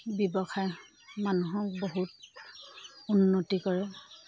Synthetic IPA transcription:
bjɔbɔxʰaj | manuɦɔkboɦut | unːotikɔɹɛ

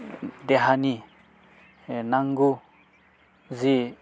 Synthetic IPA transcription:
d̪eɦani | naŋɡu | zi

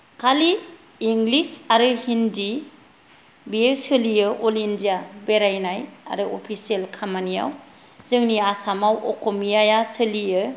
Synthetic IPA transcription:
kʰaliː | ŋɡlisaɾɯhindi | bieɾsɯlijɯʔolindijabeɾajnaja̰ɾɯopʰiselkʰamanija̰w | zɯŋniasamawɔkʰomijajasɯlijɯ

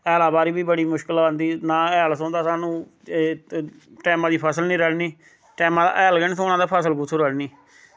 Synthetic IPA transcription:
ɛːlaːbaːɾiːbiːbəɽiːmʊʃkəlbənd̪iːnãːɛːlsõːnd̪aːsaːnũː | ʈɛːmãːd̪iːpʰəsəlnĩːɾəɽniː | ʈɛːmãːd̪a̰ːʔɛːlɡɛːñːt̪õːʊnãːd̪aːpʰəsəlkʊsʰuɾəɽniː

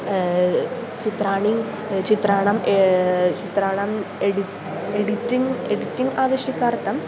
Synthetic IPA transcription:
t͡ɕit̪raːɳi | t͡ɕit̪raːɳɐmet͡ɕit̪ɾaːɳɐmeɽit | eɽitːiŋeɽitːiŋɡaːʋɐɕjɐkʲːaːrt̪ːɐm

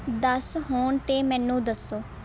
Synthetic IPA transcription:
d̪əsɦoːɳt̪eːmɛ̃ːnũːd̪əsːoː

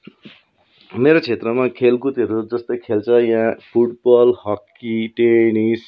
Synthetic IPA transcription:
meɾot͡sʰet̪rʌmakʰelkut̪ʌɾud͡zʌst̪okʰelt͡sʰʌjãpʰuʈbʌlhʌkːiʈenis

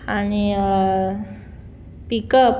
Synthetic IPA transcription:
aniə | pikəp

